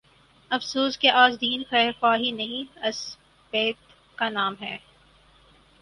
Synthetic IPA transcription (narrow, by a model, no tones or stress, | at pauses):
ɐfsuːskeʔaːzd̪iːnxɐxaːɦinɐɦĩɐs | beːt̪ | kanaːmɦɛː